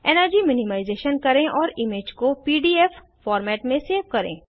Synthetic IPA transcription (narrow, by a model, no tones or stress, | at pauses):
ɛːnəɾd͡ʒimɪnɪmaːɪzeːʃənkɐɾẽʔɔːɾɪmeːd͡ʒkopiːɖiːɛf | fɔːɾmɛːʈmẽseːʋkɐɾḛ̃ː